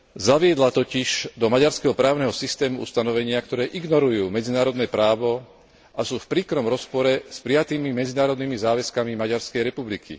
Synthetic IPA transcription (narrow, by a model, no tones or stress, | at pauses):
zaʋɪɛd̪lat̪ɔciʒ̥d̪ɔmaɟaɾskɛɦɔpɾaːʊnɛɦɔsist̪ɛːmuʔṵst̪anɔʋɛɲɪakt̪ɔɾɛːʔiɡnɔɾujuːmɛd͡zinaːɾɔd̪nɛːpɾaːʋɔ | ʔasuːfpɾiːkɾɔmɾɔspɔɾɛspɾijat̪iːmimɛd͡zinaːɾɔd̪nimizaːʋɛskamimaɟaɾskɛjɾɛpublikʰḭ